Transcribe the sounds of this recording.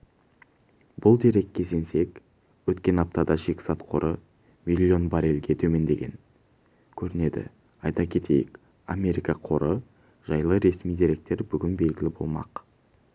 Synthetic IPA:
bʊlˠd̪eɾe̞kʲʰːe̞sense̞k | wɵt̪kʲe̞nɑp̚t̪ɑd̪ɑʒe̞kʲsɑt̪qʰo̞ɾʔə | mʲilʲːjo̞nbɑɾe̞lɡʲe̞t̪ʰɵme̞nd̪e̞ɡʲe̞̰n | kʲʰɵɾɪne̞d̪ɪ̰ | ɑjt̪ɑkʲʰe̞t̪ʰe̞jɪ̰k | amʲe̞ɾijkɑqʰo̞ɾə | ʒ̥ɑjlˠəɾe̞smijd̪eɾe̞k̚t̪e̞ɾbʏɡʲɪnbe̞lɡʲɪlɪbo̞̰lˠmɑ̰q

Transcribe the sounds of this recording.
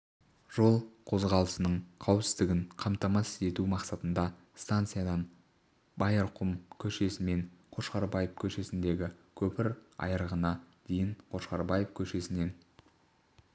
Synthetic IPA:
ʒ̥o̞lˠqʰo̞zʁɑlˠəsənəɴqʰɑwpsɪzd̪ɪɡʲɪŋqʰɑmt̪ɑmɑse̞t̪umɑqsɑt̪ənd̪ɑ | st̪ant̪sɨjad̪ɑn | bɑjɑɾqʰʊmkʲʰɵʃe̞sɪme̞nqʰo̞ʃqɑɾbɑjəfkʲʰɵʃe̞sɪnd̪e̞ɡʲɪkʲʰɵpɪɾɑ̰jəɾəʁənɑd̪̥e̞jɪɴqʰo̞ʃqɑɾbɑjəfkʲʰɵʃe̞sɪne̞n

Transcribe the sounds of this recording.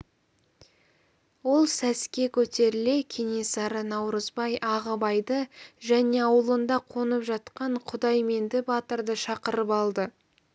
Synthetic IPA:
wo̞lˠsæskʲe̞kʲʰɵt̪e̞ɾɪle̞kʲʰe̞ne̞sɑɾənɑwɾəzbɑjʔɑʁəbɑjd̪əʒæne̞ɑwəlˠənd̪ɑqʰo̞nəpʒɑt̪qɑɴqʰʊd̪ɑjme̞nd̪ɪbɑt̪əɾd̪əʃɑqəɾəpɑlˠd̪ə

